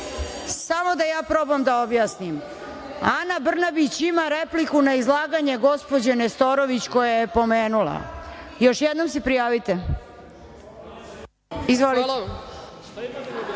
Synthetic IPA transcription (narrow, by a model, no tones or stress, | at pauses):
samo̞d̪ajaːpɾo̞bamd̪ao̞bjaːsnim | anabr̩nabit͡ɕimaɾe̞plikunaizlˠaːɡaɲe̞ɡo̞spo̞d͡ʑenest̪o̞ɾo̞ʋit͡ɕko̞jajepo̞me̞ːnula̰jo̞ʃjed̪no̞ms̬epɾijaːʋit̪e | izʋoli